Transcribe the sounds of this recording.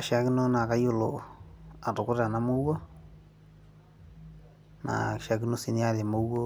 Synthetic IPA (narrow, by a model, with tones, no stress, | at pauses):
a˨ʃa˦ki˦no˦na˨ka˦jo˦˨lo̰˨a˨to˨ko˦ɾa˨na˦mo˦wwo˦ | na̰˨ʃa˨ki˦no˦si˦nia˦ɾe˨mo˦wo˦